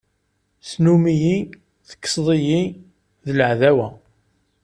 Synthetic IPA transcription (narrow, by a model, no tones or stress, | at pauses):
snumiji | θə̥kːə̥sˤðˤiji | ðləʕðæwæ